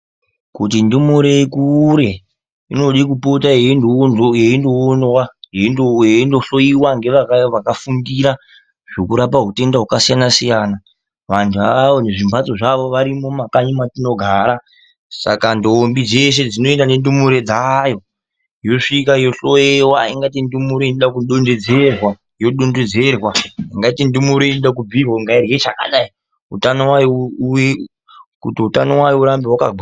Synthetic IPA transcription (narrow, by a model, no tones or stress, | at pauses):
kutindumuɾe̞ekuɾe̞ | ino̞ɗikupotaenojeindoːnwajeoɦendo̞ɬo̞iwaŋɡe̞ʋakʋakafundiɾa | ʐ̥o̞kuɾapaɦute̞ndaɦwakasijanasijaːna | ʋantʰuaʋo̞ne̞ʐimbʱat͡so̞ʐaʋo̞ʋaɾimo̞makaɲimatino̞ɡʱaːɾa | sa̰kandoːmbid͡ze̞s̬e̞d͡zino̞endane̞ndumuɾe̞d͡zajo̞ | jo̞ʂikajo̞ɬojewaiŋɡat̬indumuɾoineɗakuɗonde̞d͡ze̞rwa | jo̞ɗonded͡zerwaiŋɡaitindumuɾoiniɗak̬ub͡virwaŋɡairjet͡ʃaka̰ɗai | ṵtanowajouje | kutiutanowajouɾambewaka̰ɡ